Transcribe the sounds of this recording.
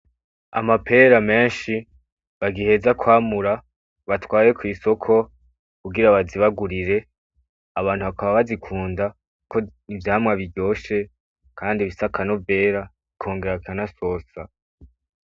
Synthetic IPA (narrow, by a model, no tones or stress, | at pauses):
a̰mapʰe̞ːɾame̞ːnʃi | βaɡihe̞zakwaːmuɾa | βatwaːje̞kwiːso̞kʰo̞ | kuɡiɾaβaziβaɡuɾiɾe̞ | aβaːn̥huβakaβaβazikʰuːnda | ukonivjaːmŋaβiɾɟo̞ːʃe̞ | kʰaːndiβisakʰanove̞ːɾa | ikʰo̞ːŋɡe̞ɾakʰanaso̞ːsa